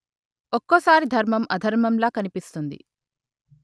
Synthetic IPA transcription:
okːosaːɾid̪ʱɐɾmɐmɐd̪ʱɐɾmɐmlaːkɐnipist̪und̪ḭ

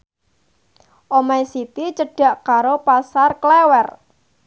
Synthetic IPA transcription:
ʔomajsit̪it͡ʃəɖ̥ä̤ʔkaɾopasarklewɛr

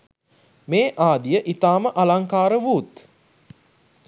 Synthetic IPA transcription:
meːʔaːd̪ijəʔit̪aːməʔalaŋkaːɾəʋuːt̪

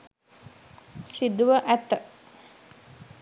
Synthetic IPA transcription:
sid̪uʋəʔæt̪ə

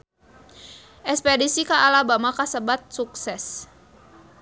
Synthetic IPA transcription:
ʔɛspɛdisikaʔalabamakasəbat̪̚suksɛs

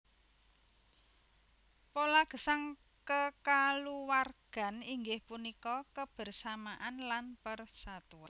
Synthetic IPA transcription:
polaɡ̥ə̤saŋ | kəkaluwarɡ̥a̤niŋɡɪhpunikɔkəb̥ə̤rsamaʔanlanpərsat̪ua

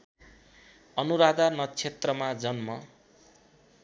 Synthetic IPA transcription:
ʌnuɾad̪anʌt͡sʰet̪rʌmad͡zʌnmʌ

